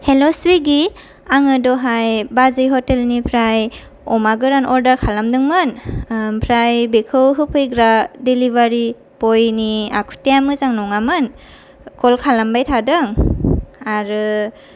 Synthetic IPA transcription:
helɔswiɡi | aŋɯdɔɦajbazɯjɦɔtelnipʰɾaj | ɔmaɡɯɾanʔɔɾdaɾkʰalamdɯŋmɯnpʰɾajbekʰɯwɦɯpʰɯjɡɾadelibaɾi | pɔjnia̰kʰu̥teamɯzaŋnɔŋamɯn | kʰɔlkʰalambajtʰadɯŋ | aɾɯ

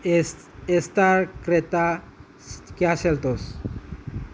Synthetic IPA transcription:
est̪aɾkɾet̪a | kaselt̪os

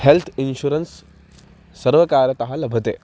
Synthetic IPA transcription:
helt̪ʰinɕuːɾənsː | ɐɾʋɐkaːɾjɐt̪ɐɦalɐbʱɐt̪ḛː

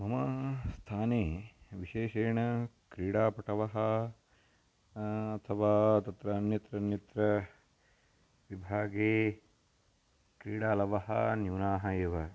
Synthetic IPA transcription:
mɐmɐst̪ʰaːneːʋiʃeːʃeːɳɐkɾiːɽaːpɐʈɐʋɐɦɐ̆ | ɐt̪ʰɐʋaːt̪ɐt̪ɾɐːnjɐt̪ɾɐnjɐt̪ɾɐ | ʋibʱaːɡeː | kɾiːɽaːlɐʋɐɦɐ̰njuːnaːɦɐeːʋɐ

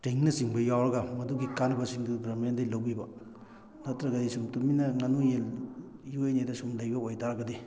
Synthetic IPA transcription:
teŋnɐsiŋbɐjawɾɐɡamɐduɡikanbɐsiŋdubɾɐmendɐjlɐwbibɐ | nɐtɾɐɡɐdisumtuminɐŋɐnujeljuejnedɐsumlɐjbɐojtaɾɡɐdi

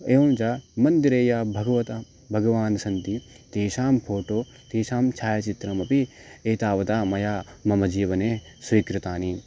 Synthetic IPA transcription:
eːond͡ʒaːmɐnd̪iɾeːjaːbʱɐɡɐʋɐt̪ɐ | bʱɐɡɐʋaːnɐsɐnt̪i | t̪eːʃaːmpʰoːʈoː | t̪eːʃaːmt͡ʃʰaːjɐt͡ʃit̪ɾɐmɐpieːt̪aːʋɐt̪aːmɐjaːmɐmɐd͡ʒiːʋɐneːsʋikɾut̪aːniː

